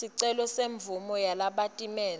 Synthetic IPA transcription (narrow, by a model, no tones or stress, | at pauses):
iǀɛlɔseɱb̪vumɔjalaɓatʼimɛːl